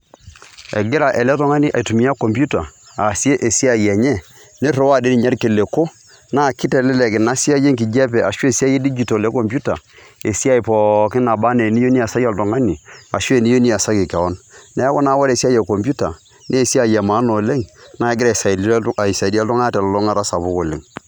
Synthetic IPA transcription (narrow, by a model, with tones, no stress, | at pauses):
ɛ̰˨ɡɪ˦ɾa˨ʔɛ˨lɛ˦tɔ˦ŋa˦ni˦ʔa˨i˨tu˨mi˦a˦ko˨mpju˦ta˨ | a˨si˦e˦ʔe˨si˦a˦˨jɛ˨ɲɛ˦ | ne˦ɾo˨˦wa˦˨de˦ni˨ɲa˦ɾke˨le˨ko˦ | na˦˨kɪ˦tɛ˨lɛ˦lɛ˨kɪ˨na˦si˦a˦je˦ŋki˨d͡ʒɛ˦p̬ɛ˨ʔa˨ʃsi˦a˦je˦di˦d͡ʒi˨to˨lɛ˦ko˨mpju˦ta˨ | e˨si˦a˦i˨pɔ˨kɪ˦na˨ba˦ne˨ni˦jo˦ni˦a˨sa˦ja˨ltɔ˨ŋa˦ni˨a˨ʃwe˦˨ni˦o˦ni˦a˨sa˦kɪ˨kɛ˨wɔ˦nnɛ˨˦kɔ˦na˦wa˦ɾe˨si˦a˦jɛ˨ko˨mpju˦ta˨ | neː˦˨si˦a˦˨jɛ˨ma˨˦no˨le˦ŋna˦˨˦ɡɪ˦ɾa˨sa˨˦˨i˨sa˨di˦a˦ltɔ˦ŋa˦ta˨llɔ˦ŋa˦ɾa˦sa˨bʊ˦ko˨lḛ˨ŋ